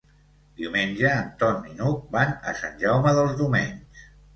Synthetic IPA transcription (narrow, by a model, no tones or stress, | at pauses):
d̪iumenʲʒəːnt̪ɔnːinuk̚banə̰sanʲʒawməðəlˠzðiwmeɲs